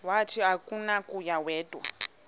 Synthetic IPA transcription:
watʰiɦakʼunakʼujawɛːd̥ʱʼwa̰

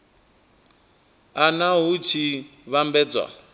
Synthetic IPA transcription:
anaɦut͡ʃʰiβambɛːd͡zwa̰

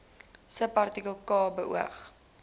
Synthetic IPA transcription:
səpɐrtikəlˠkɑːbəʔṵə̰χ

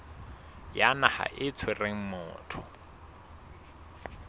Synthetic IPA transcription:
janaha̰ʔɪt͡sʰwereŋ̩mʊ̰ːtʰʊ

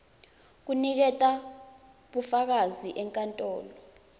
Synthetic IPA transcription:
k̬unik̬ɛtʼa | ɓufak̬aziʔɛŋkʼantʼɔːlɔ

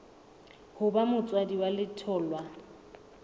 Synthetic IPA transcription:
hʊbamʊt͡sʼwadiwalɪtʰɔːlwa

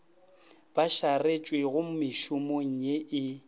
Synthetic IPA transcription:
b̥aʃaret͡ʃʼweɣʊm̩mɪʃʊmoŋ̩ɲeʔɪ

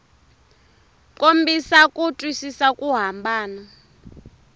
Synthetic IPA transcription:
kʼombisakʼutʼwisisakʼuɦambaːna

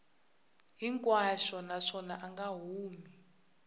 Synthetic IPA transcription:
ɦiŋkʼwaʃɔnaʂɔnaʔaŋɡaɦuːmi

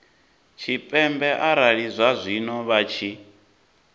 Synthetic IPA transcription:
t͡ʃʰipʼɛmbɛʔaɾaɺizʷazʷinɔβat͡ʃʰi

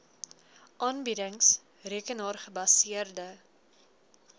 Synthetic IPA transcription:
ʔɑːnbidəŋs | riəkənɑːrχəbɐsiərdə

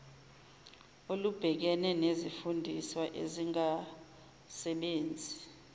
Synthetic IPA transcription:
olub̥ʱɛk̬ɛnɛnezifundʱiswaʔḛziŋa | sɛɓeːnd͡zʱi

